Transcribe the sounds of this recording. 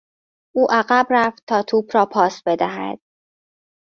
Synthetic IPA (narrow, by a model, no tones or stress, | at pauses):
ʔuːʔæɣæbræft̪̚t̪ʰɒːt̪ʰuːbɾɒːpʰɒːsbe̞d̪æɦæ̰d̪̥̚